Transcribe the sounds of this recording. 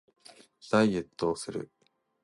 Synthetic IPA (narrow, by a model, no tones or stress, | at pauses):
saiet̪ːoːsɨɾɯ̟̰